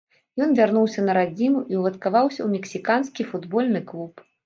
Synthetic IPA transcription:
jɔnvʲarnuwsʲɐnɐɾad͡zʲimuʔiwlˠɐt̪kavawsʲɐ̰wmʲɛksʲikanskʲifud̪bɔlʲnɨklˠup

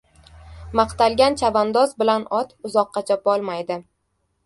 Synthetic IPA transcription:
mɑqt̪alˠɡʲant͡ʃʰavand̪ɒzbɪlanɒt̪ʊzɒqːɑt͡ʃʰapɒlˠmajd̪ɪ

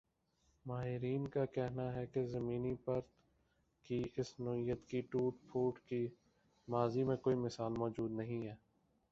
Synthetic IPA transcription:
maːɦɪɾiːnkakɛɦnaɦɛkezɐmiːnipɐɾt̪ | kiɪsnoɪjət̪kiʈuːʈpʰuːʈki | maːzimẽkoːimɪsaːlmɔːd͡ʒuːd̪nɐɦĩɦɛː

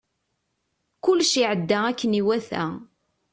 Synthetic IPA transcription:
kʊlːʃiʕəd̪ːæækːəniwæθæ̰

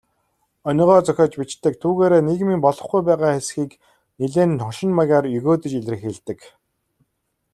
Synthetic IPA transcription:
ɔnʲɞ̆ʁɔːt͡sœxʲɔːt͡ɕpit͡ɕt̪ɘ̆k̚t̪ʰuːɣeːɾeːneɣmiːmpɔɮɞ̆χɡujpæːʁaːχesxiːk | niɮeːnt̪ʰɔŋʃɪ̆nmaɣʲaːrjɵɣoːt̪ə̆t͡ɕiɮrɘ̆xeɮt̪ɘ̆k

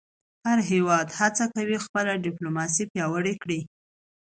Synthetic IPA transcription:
haɾɦewɑd̪hat͡sakawixpəlaɖɪplomɑs̬ipjɑwəɽekɽi

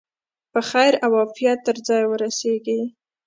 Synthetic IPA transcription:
pəxajɾawɑfijat̪ːəɾd͡zɑjwəɾaseɡi

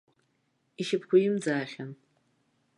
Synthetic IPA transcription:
iʃɪpʰkʷʊjɪmd͡zaːχʲan

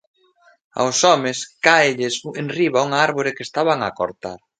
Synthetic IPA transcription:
a̰wsɔmɪskaeʎɪsenriβauŋaaɾβoɾɪkest̪aβaŋako̰ɾt̪a̰ɾ

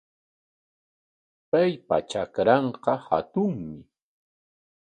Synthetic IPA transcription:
pajpa̰t͡ʃakɾɑɴqɑha̰t̪ʊŋmɪ

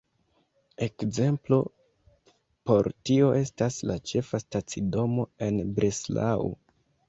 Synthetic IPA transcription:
e̞kze̞mplo̞ | po̞ɾtio̞ʔe̞staslat͡ʃe̞fastat͡sido̞mo̞e̞nbɾʔesla̰ṵ

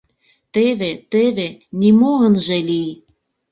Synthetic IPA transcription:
t̪eβet̪eβenimoənʒelij

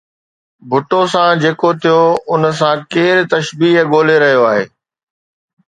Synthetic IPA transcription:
bʱʊʈosãd͡ʑeːkot̪ʰijoʊnəs̬ãkeːɾt̪ɐʃbiːɦɠoːleɾɐɦijoaːɦḛː

